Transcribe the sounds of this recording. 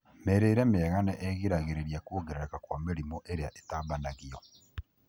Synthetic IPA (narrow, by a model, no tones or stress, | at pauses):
meɾeiɾemeːɣaneʔeɣiɾaɣiɾeɾiakoːɣeɾeɾakakwamiɾimoʔeɾeaʔe̥taːbanaɣio